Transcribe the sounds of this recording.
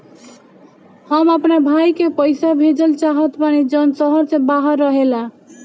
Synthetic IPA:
həməpnebʱajkepəjsabʱed͡ʒəlt͡ʃaɦət̪panid͡ʒənsəɦəɾsẽbaɦəɾːəɦela

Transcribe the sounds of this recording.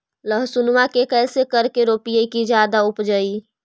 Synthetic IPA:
ləɦsunmakekɛːsekəɾkeɾoːpijekid͡ʒjaːd̪aʊpd͡ʒəi

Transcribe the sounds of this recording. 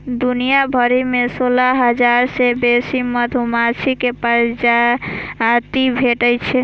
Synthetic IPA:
d̪unijabʱəɾimesolaɦəd͡ʒaɾsebesiməd̪ʱumat͡ʃʰikepəɾd͡ʒa | t̪ibʱeʈəjt͡ʃʰe

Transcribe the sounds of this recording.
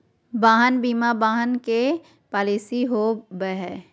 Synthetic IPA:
baːɦənbiːmabaːɦənke | paːlisiɦobəɦɛ

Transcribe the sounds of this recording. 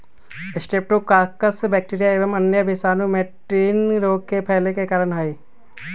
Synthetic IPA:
ɪsʈeːp̚ʈukaːkəsbɛːk̚ʈiːɾijaeːʋəmənjəbʱesaːnũmeʈɾiːnɾoːɡ̚kepʰɛːlekekaːɾəɳɦəi

